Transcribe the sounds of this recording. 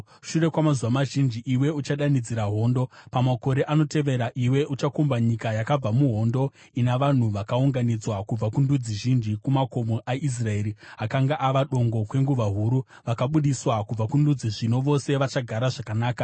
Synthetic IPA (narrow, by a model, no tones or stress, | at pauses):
ʃure̞kwamazuwamaʒind͡ʒiʔiwe̞ut͡ʃaɗanid͡ziɾaɦo̞ːndo̞pamako̞ɾe̞ʔano̞te̞ʋe̞ɾaʔiwe̞ʔut͡ʃakumbaɲikajakab͡vamuɦo̞ndo̞ | inaʋan̤uʋakauŋɡanid͡zwakub͡vakundud͡ziʒind͡ʒikumakomoʔais̬rae̞ːɾiɦakaŋɡaʔaʋaɗo̞ŋɡo̞kwe̞ŋɡuʋaɦuɾu | ʋakaɓuɗiswakub͡vakundud͡ziʐino̞ʋo̞se̞ʋat͡ʃaɡʱaɾaʐakanaːka